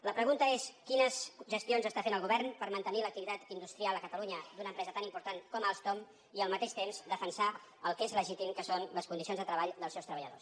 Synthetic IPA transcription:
ləpɾəɣunt̪əeskinəsʒəst̪ionzəst̪afenəlˠɣuβɛrnpəɾmənt̪ənilək̚t̪iβit̪at̪ind̪ust̪ɾialˠəkət̪əluɲəd̪unəːmpɾɛzət̪animpuɾt̪ankɔmalˠst̪om | iəlˠmət̪eʃt̪emzd̪əfənsa | əlˠkezləʒit̪imkəsonləskund̪isionzðət̪ɾəβaʎd̪əlˠsɛwst̪ɾəβəʎəðo̰s

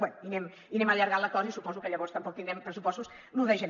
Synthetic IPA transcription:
ɛnuinem | inẽmɐaʎɐɾɣaɾlˠɐk̪ɔzɐisupɔzukɐʎɐβɔɾst̪ɐmpokut̪ind̪ɾɛmpɾɨs̬upɔst̪us | nũðejʃɐn

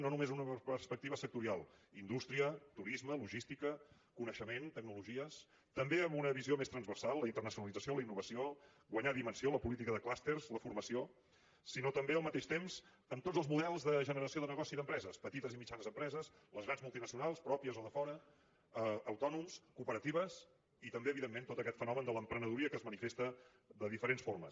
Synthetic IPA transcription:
nonumezunəpərspək̚t̪iβəsək̚t̪uɾialˠ | ind̪ust̪ɾiət̪uɾizməluʒist̪ikə | kunəʃəment̪əɡ̚nuluʒiəs | t̪əmbeəmbunəβiziomest̪ɾənzβərsalˠːəint̪ərnəsiunəlid͡zəsioləinːuβəsio | ɣwəɲaðimənsioləpulit̪̬ikəðəklast̪erzləfurməsio | sinot̪əmbeəlˠmət̪eʃt̪emz | əmt̪od͡zzəlˠzmuðɛlˠzðəʒənəɾəsioðənəɣ̞ɔsiðəmpɾɛzəspət̪it̪əzimit͡ʃanəzəmpɾɛzəs | ləzɣɾanzmulˠt̪inəsiunalˠspɾɔpiəzoðəfɔɾə | əːwt̪ɔnumskuːpəɾət̪iβəs | it̪əmbeəβiðemːent̪ot̪əkɛt̪fənɔmənd̪ələmpɾənəðuɾiəkəzmənifest̪ə | ðəðifəɾensfoɾməs

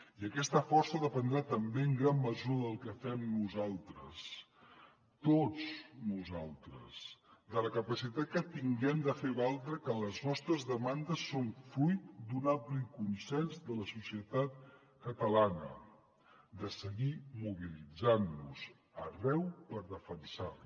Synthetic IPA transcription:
iəkɛst̪əfɔrsəðəpənd̪ɾat̪əmbeəŋɡɾamːəzuəðəlˠkəfɛmnuzalˠt̪ɾəs | t̪ot͡snuzalˠt̪ɾə̰sd̪ələkəpəsit̪at̪̚kət̪iŋɡɛmd̪əfeβalˠt̪ɾəkələznɔst̪ɾəzðəmand̪əsːonfɾujt̪̚d̪unamplikunsɛnzd̪ələsusiət̪at̪̚ | kət̪əlanə̰ | d̪əsəɣimuβilid͡zanːuz̥ | ərɛwpəɾðəfənsa

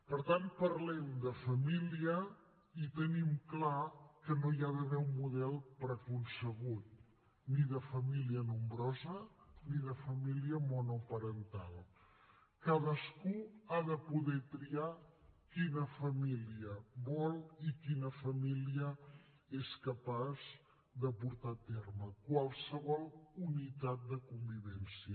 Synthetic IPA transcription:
pəɾt̪ant̪̚pəɾlɛmd̪əfəmiliə | it̪ənimklakənojaðəβɛumːuðɛlˠpɾəkunsəɣut̪̚ | niðəfəmiliənumbɾɔzəniðəfəmiliəmɔnupəɾənt̪a̰lˠ | kaðəskuaðəpuðɛt̪ɾiakinəfəmiliəβɔlˠikinəfəmiliə | eskəpaz | d̪əpuɾt̪at̪erməkwalˠsəβɔlˠunit̪at̪̚d̪əkumbiβɛnsiə

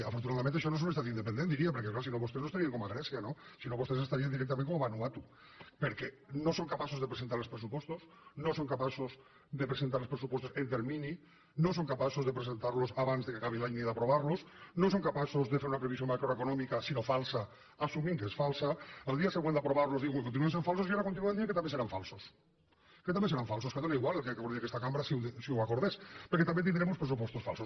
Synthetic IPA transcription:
afoɾt̪̬unaðamẽnt̪eʃonos̬onest̪aðind̪epend̪end̪iɾiapeɾkeklaɾos̬inoβost̪enost̪aɾiaŋkomaɣɾesjanosinoβost̪esest̪aɾiand̪iɾek̚t̪amnkooβanuat̪u | peɾke | nosoŋkapasozðepɾesent̪aɾlospɾesupwost̪os | nosoŋkapasoz | ðepɾeent̪aɾlespɾes̬upwest̪oent̪eɾmini | nos̬oŋkapasozðepɾesent̪aɾlosaβanzðekeakaβ̞ilaɲniðapɾoβaɾlosnos̬oŋkapasozðefeɾunapɾeβ̞isjommakɾoekonɔmikasinofalsa | asumĩŋkeesfalsaald̪iaseɣwend̪apɾoβaɾlozðiɣuŋekont̪inuens̬eɱfalsosiaɾakont̪inumenieŋket̪amenseɾaɱfalˠsos | ket̪ambeseɾaɱfalsosket̪oneiɣwalelkekakoɾekest̪akamɾasisiuwakoɾðespeɾket̪ambent̪ind̪ɾemospɾesup̬wɔst̪osfa̰lˠsos

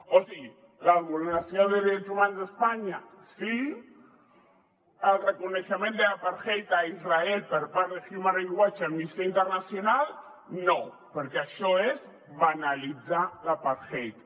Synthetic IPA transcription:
osi | laβuɾenasjond̪eðɾet͡ʃosumanozðespaɲa | si | elrekoneθemjent̪elapaɾxejt̪aizraelpeɾpaɾexjumaɾeŋɡwat͡ʃamist̪eaint̪eɾnasjonal | no | poɾkeaʃoes | βanalit͡salapaɾxejt̪ḁ

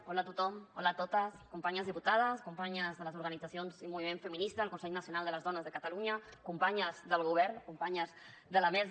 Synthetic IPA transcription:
ɔlaːt̪ut̪ɔmɔlaːt̪ot̪əskumpaɲəzðiput̪að̞əskumpaɲəzðələzuɾɣənidd͡zasionzimuβimeɱfəminist̪aːlˠkunsɛʎnəsiunalˠd̪ələzðɔnəzðəkət̪aluɲəkumpaɲəzðəlˠɣ̞uβ̞ɛɾnkumpaɲəz | ðəlamɛz

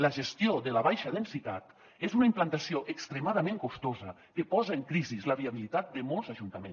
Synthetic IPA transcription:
ləʒəst̪ijoðələβajʃəðənsit̪a̰t̪ | ezunaimplant̪asioʔəkst̪ɾəmaðəmẽŋkost̪ozə | kəpɔzəəŋkɾizizləβiaβ̞ilit̪at̪̚d̪əmolˠzaʒunt̪əmens

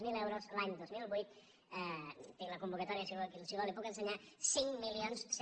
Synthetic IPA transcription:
milɛwɾozlaɲd̪ozmilˠβujt̪̚ | t̪iŋləkumbukət̪ɔɾiəsioklsiðolipukənsəɲasiŋmːilionss

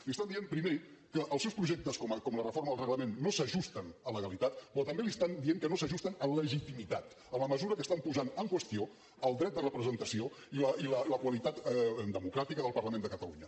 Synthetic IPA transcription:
list̪and̪iempɾimekəʔəlˠsɛwspɾuʒek̚t̪əskɔməkɔmlərəforməðəlˠrəɣləmenːosəʒust̪ənələɣəlit̪at̪pɾɔt̪əmbeliəst̪and̪ieŋkənosəʒust̪ənənləʒit̪imit̪at̪ | əməməzuɾəkəst̪ampuzanəŋkwəst̪io | əlˠd̪ɾɛt̪̚d̪ərəpɾəzənt̪əsio | iləʔilələkwəlit̪at̪d̪əmukɾat̪ikəðəlˠpərləmẽnd̪əkət̪əluɲə

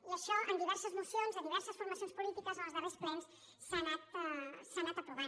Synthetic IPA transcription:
ləʃaʔənd̪iβɛɾsəzmusjonzəðiβɛɾsəsfuɾmɐsijonspulit̪ikəzənləzðəresplɔns | sːanat̪sanat̪əpɾuβa

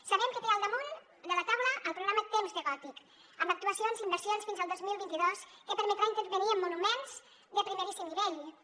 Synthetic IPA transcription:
səβɛmkət̪eɾalˠd̪əmun | d̪ələt̪awləʔəlˠpɾuɣɾamət̪emznəɣɔt̪ik | əmbək̚t̪uəsionzimbəɾsionsfinzəlˠd̪ozmilˠβint̪iðoskəpəɾmət̪ɾaint̪əɾβəniəmːunumenz̥ | d̪əpɾimeɾisimniβeʎ

